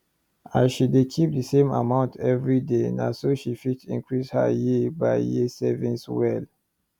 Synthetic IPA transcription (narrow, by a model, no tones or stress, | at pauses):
aɪʃidekʰip̚dəsẽma̰mãʊ̃ntʰɛvɹidena̰soʃifitḭ̃ŋkɹisha̰jebaɪjisɛvĩnswɛl